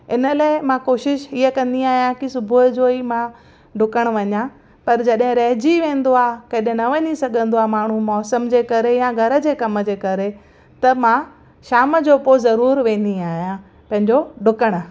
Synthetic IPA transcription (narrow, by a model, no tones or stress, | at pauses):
ɪnəlaːɪmãkoːʃɪʃiəkɐ̃nd̪iaːɦijãkisʊbʱʊəd͡ʑoimã | ɖʊkəɽ̃ʋɐɲã | pɐɾd͡ʑɐɗɦɪ̃ɾɐɦd͡ʑiʋẽːn̆d̪oaːkɐɗɪ̃nɐʋɐɲisɐɡʱə̃nd̪oamaːɳ̤ũmɔːsəmd͡ʑeːkɐɾejãɡʱɐɾə̆d͡ʑeːkɐmə̆d͡ʑeːkɐɾe | t̪ɐmã | ʃaːməd͡ʑoːpozɐɾuːɾʋẽːn̆d̪iaːɦijã | pɐ̃ɦɪ̃ɲd͡ʑoɖʊkəɽ̃